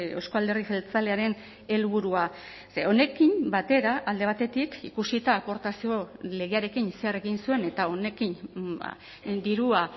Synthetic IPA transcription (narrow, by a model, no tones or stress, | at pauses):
ewskoald̪e̞riselt͡sale̞aɾe̞n | e̞lβuɾua | seo̞ne̞kimbat̪e̞ɾaʔald̪e̞β̞at̪e̞t̪ikḭkusit̪aːpo̞ɾt̪asio̞le̞ɣeaɾe̞kinse̞are̞ɣinsue̞ne̞t̪ao̞ne̞kin̰ | d̪iɾua